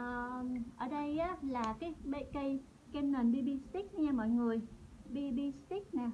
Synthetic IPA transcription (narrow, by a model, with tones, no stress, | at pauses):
ʔəː˨˩ʔəː˧˩ɗə˧jʔaː˨˦laː˨˩kaː˨˦jɓḛ˧˨kə˧j | kɛ˧mnə˨˩nɓi˧ɓi˧st̪i˦˥k̚ɲaː˧mɔ̰˧˨jŋɨ˨˩əjɓi˧ɓi˧st̪i˦˥k̚naː˨˩